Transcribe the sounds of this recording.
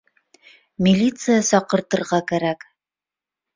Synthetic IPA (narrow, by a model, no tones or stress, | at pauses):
mʲilʲit̪sɨjasɒqɤ̆ɾt̪ɤ̆ɾʁɑkæɾæk